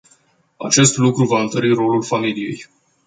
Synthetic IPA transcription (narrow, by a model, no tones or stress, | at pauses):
a̰t͡ʃe̞st̪lukɾuvaɨnt̪əɾiɾo̞lulfamilije̞̰j